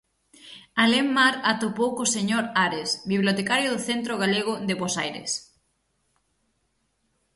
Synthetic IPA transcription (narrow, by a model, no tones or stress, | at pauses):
alemmaɾat̪opowkoseɲoɾaɾesbiβljot̪ekaɾjoðʊθent̪ɾoɣaleɣ̞ʊðeβosajɾḛs